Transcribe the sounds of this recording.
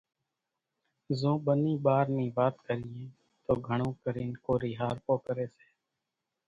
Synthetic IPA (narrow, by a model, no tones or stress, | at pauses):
zõːɓəniːbaːɾnĩːbaːt̪kəɾijẽː | t̪oːɡʱəɳ̃õːkəɾiːnkoːɾiːɦaːɾpoːkəɾeːse̥ː